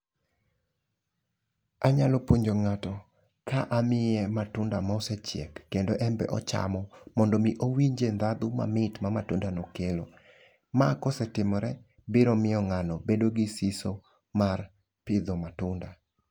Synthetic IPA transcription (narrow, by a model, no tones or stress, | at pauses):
aɲalɔpoɲd͡ʒoŋatɔ | kaʔamɪɛmatʊndamaɔsɛt͡ʃjɛ̰kːendoʔɛmbɛ̰ʔɔ̰t͡ʃa̰mɔmɔndɔmiʔowiɲd͡ʒend̪ad̪ʊma̰mɪtmamatʊndanɔkelo | makɔsɛtɪmɔɾɛ | bɪɾɔmɪɔŋanɔbedoɡɪsiso | mar | pɪd̪ɔmatʊnda